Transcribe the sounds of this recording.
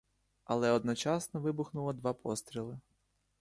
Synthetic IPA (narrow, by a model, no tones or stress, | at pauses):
ɐ̰lˠɛɔd̪nɔt͡ʃɑsnɔʋɪbʊxnʊlˠɔd̪ʋɑpʰɔst̪ɾʲilˠɪ